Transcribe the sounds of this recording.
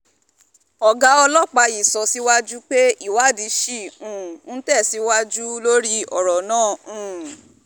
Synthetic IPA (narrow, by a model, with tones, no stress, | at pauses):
ɔ˨ɡa˨˦ɔ˧lɔ˦˨k͡pa˧i˨sɔ˨˦si˦wa˦d͡ʒu˦k͡pe˦i˦˨wa˨˦˨di˨˧˦ʃi˦˨ũ˨ñ̩˦tɛ˦˨si˨˦wa˦d͡ʒu˦lo˦ɾi˦ɔ̰˨ɾɔ˨nãː˦˨ũ˨